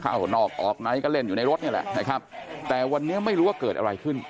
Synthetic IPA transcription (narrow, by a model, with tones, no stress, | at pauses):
kʰa̰˧˥˩wnɔː˥˩k̚ʔɔː˨˩k̚na˧˥˩jkɔː˥˩le˥˩njuː˨na˧jɾo˦˥t̪̚ni˥˩lɛ̰˨˩ʔt͡ɕʰa˦˥˩jkʰa˦˥p̚t̪ɛː˨˩wa˧nːiː˦˥ma˥˩jɾu˦˥waː˥˩kɤː˨˩t̪̚ʔa˧ɾa˧jkʰɯ˥˩n